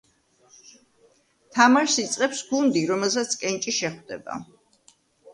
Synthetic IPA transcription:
t̪ʰamaɾsit̪sʼqʼɛpsɡund̪iɾɔmɛlˠsat̪sʰkʼɛnt͡ʃʼiʃɛχwd̪ɛ̰ba̰

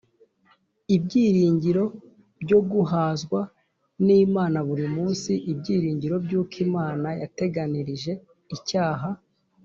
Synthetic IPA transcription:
ibɟiːɾiːɲɟiɾo̞ | bɟo̞ɡuɦaːzɡwa | niːmaːnaβuɾimuːnsiʔibɟiːɾiːɲɟiɾo̞bɟuːkʰimaːnajate̞ɡaniɾiʒe̞ | icaːɦa

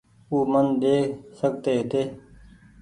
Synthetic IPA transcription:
uːmənɗ̪eːsəɡ̚t̪eːɦt̪eː

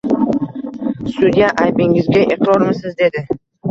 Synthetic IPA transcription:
sʊd̪ijaʔajbɪŋɪzɡʲaʔeqʰɾɒɾmɪsɪzd̪e̞d̪ɪ

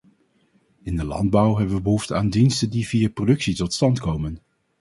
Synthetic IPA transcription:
ɪndəlɑ̰nd̚bʌwɦɛbəʋəbəɦuftəaːndinstəndiviːəprodɵksitɔtstɑntkowmən

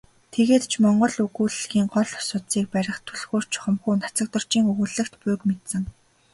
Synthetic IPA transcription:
t̪ʰeɣeːt̪t͡ɕʰmɔɴɢɞ̆ɮɵɣuːɮɮɣiːŋɢɔɮɔ̥sʊːt̪siːk̚pæɾʲɪ̆χt̪ʰɵɮxuːr̥t͡ɕʰχɞ̆mxuːnḁt͡sə̆k̚t̪ə̆r̥t͡ɕiːŋɵɣŭɮɘ̆kt̪pʊːkmet̪sɘ̆ŋ

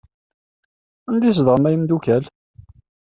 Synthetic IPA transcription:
ænd̪is̬ðʁəmæjmd̪ukæl

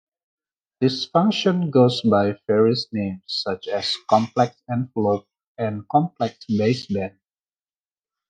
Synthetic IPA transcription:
dɪsfʌ̃ŋkʃə̃nɡozbaɪfɛɹiəsnẽmsːʌt͡ʃɛskɔ̃mplɛksɛ̃nflop̚ | ɛ̃nkɔ̃mplɛksbesbɛ̃n

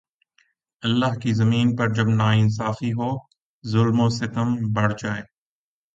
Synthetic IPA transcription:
ɐlːaːɦkizɐmiːnpɐɾd͡ʒɐbnaːɪns̬aːfiɦoː | zʊlmoːsɪt̪əmbɐɽ̤d͡ʒaːeː

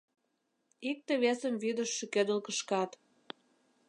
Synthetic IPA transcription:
ik̚t̪ĕβesəmβyd̪ə̆ʃːĕkød̪əlkəʃkɑt̪

